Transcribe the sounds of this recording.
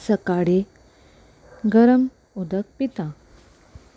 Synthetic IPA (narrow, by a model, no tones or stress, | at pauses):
səkaɽe | ɡəɾəm | od̪ək̚pit̪ã